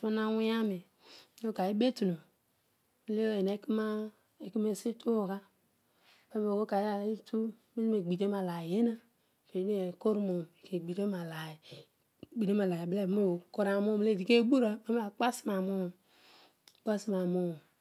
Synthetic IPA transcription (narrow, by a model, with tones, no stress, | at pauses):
a˦na˦wi˦a˦mi˨˦ | o˦ka˨ji˦be˦tu˨no˨ | m˦le˦o˦˨je˨ne˨˦ki˦ma˦ | e˨ki˦me˦˨si˦tʰu˦o˨ka˦ | me˦m˦˨o˨ko˦ka˨˦a˨˦i˦tu˦ | mi˦zi˦me˨ɡ͡bi˨de˦ma˨la˨je˦na˦˨ | ke˨˦ni˦e˨ko˦ɾmo˨m˨ke˨ɡ͡bi˨ɾe˦ma˨la˨i˨ | ɡ͡bi˨ɾe˦ma˨la˨ji˨be˦˨˦m˦o˨ko˦ɾa˨mo˦˨m˨le˦˨di˨ke˦bu˦ɾa˦me˦m˦a˨k͡pa˦si˦ma˨mo˦˨ | k͡pa˦si˦ma˨mo˦˨